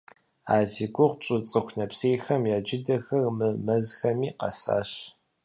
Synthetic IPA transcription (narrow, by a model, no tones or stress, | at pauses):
a̰ːɮiɡʷʊʁʷt͡ʃʼʊt͡sʼɨxʷnɐpseːjxɐmjaːd͡ʒɪdɐxɐrmɨmɐzxɐmiːqɐ̰sa̰ːɕ